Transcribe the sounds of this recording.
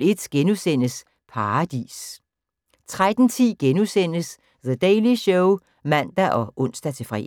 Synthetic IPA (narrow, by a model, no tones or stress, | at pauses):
e̝d̥ɡ̥enusen̰əs | pʰɑ̈ɑd̥ḭːs | t͡sʰʁad̥n̩t͡sʰḭːɡ̥enusen̰əs | ðəd̥eɪliɕɔʊ | mæn̰d̥æʔɒ̽ʔɔ̽n̰sd̥æt͡sʰe̝fʁɛ̰